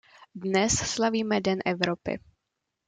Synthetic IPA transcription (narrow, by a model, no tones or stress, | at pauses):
dnɛsslaviːmɛdɛnʔɛvɾopɪ̰